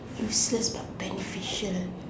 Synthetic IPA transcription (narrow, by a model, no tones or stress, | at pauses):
juːsləsbat̚b̥ɛnəfiʃəl